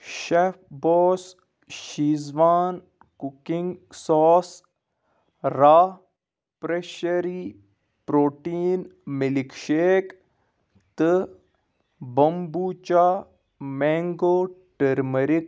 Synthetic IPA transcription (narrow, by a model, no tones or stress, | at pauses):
ʃep̚ʰbɔːs | ʃiːzʋaːn | kukiŋɡsɔːs | ɾaː | pɾeʃəɾi | pɾoːʈiːnmilikʃeːk | t̪ɨ | bɐmbuːt͡ʃaː | mɛːŋɡoːʈəɾməɾik